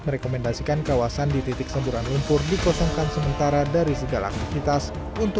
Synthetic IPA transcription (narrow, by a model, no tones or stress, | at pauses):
məɾɛkomɛndasikankawasandit̪it̪ɪk̚səmbuɾanlumpʊrdikɔsɔŋkansəmənt̪aɾadaɾisəɡalaa̰k̚t̪ifit̪as | unt̪